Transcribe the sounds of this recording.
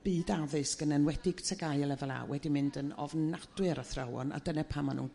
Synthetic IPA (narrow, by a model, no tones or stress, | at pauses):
b̥iːdaðɨsɡ̥ənənwɛdɪɡ̥tʰəɡajɛlˠɛvɛlˠa̰wwɛdimɪndənɔvnad̥wɨɾaθrawɔ̰na̰dənɛpʰamanṵn